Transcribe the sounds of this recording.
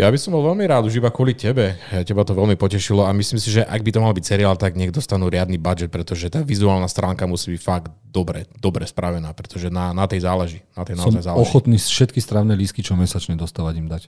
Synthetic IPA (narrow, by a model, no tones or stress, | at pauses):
jabisɔmbɔlʋɛlmiɾaːd̪uʒibakʊɔlicɛbɛɛcɛbat̪ɔʋɛlmipɔcɛʃilɔamisliːmsiʒɛʔaɡbit̪ɔmalbicsɛɾiaːlt̪aɡɲɛɡd̪ɔst̪anuːɾɪad̪nibad͡ʒɛt̪̚pɾɛt̪ɔʒɛt̪aːʋizuaːlnast̪ɾaːŋkamusiːbicfaɡ̪d̪ɔbɾɛd̪ɔbɾɛspɾaʋɛnaːpɾɛt̪ɔʒɛnanat̪ɛjzaːlɛʒinat̪ɛjnaɔzajzaːlɔxɔt̪niːsfʃɛt̪kist̪ɾaʊnɛliskit͡ʃɔmɛsat͡ʃɲɛd̪ɔst̪aːʋaɟimd̪ac